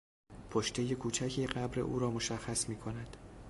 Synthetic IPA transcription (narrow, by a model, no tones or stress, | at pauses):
pʰoʃt̪ʰe̞je̞kʰuːt͡ʃʰæcʰiːɢæbɾe̞̰ʔṵːɾɒːmo̞ʃæxːæsmiːkʰo̞næd̪̥